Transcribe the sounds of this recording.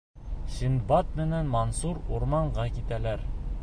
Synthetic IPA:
ɕind̪bɑt̪̚mɘ̆nænmɑnsuɾuɾmɑɴɢɑkit̪ælæɾ

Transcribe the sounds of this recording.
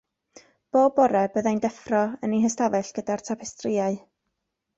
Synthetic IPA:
b̥oːbɔɾɛb̥əðajndɛfrɔənihəstavɛɬɡ̥ədartʰapʰɛstrɪaɨ

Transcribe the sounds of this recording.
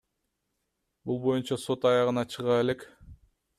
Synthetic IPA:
bulˠbo̞junt͡ʃɑso̞t̪ɑjɑʁɯnɑt͡ʃʰɯʁɑe̞le̞k

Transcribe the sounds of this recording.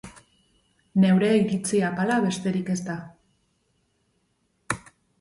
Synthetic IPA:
ne̞wɾe̞iɾit͡siapalaβe̞st̪e̞ɾike̞st̪a

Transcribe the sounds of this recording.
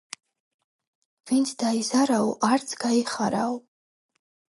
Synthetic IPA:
vint̪sʰd̪aizaɾawʔaɾt̪sʰɡ̥aiχaɾaw

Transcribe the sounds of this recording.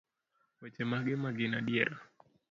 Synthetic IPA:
wɛt͡ʃɛmaɡɛmaɡinaɗiɛɾa

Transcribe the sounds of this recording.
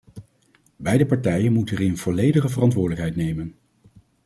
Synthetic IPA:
bɛjdəpɑɹtɛjənmutəərɪnv̥ɔlejdəχəvərɑntʋʊːɹdələkɦɛjtnejmən

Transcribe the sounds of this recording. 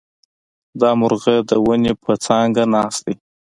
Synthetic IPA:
d̪ɑmʊɾɣed̪əwənepʰət͡sɑŋɡanɑsd̪i

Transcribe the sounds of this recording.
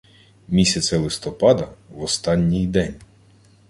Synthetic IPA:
mʲisʲɐsʲɛlˠɪst̪ɔpɑd̪ɐʋɔst̪ɑnʲːijd̪ɛnʲ

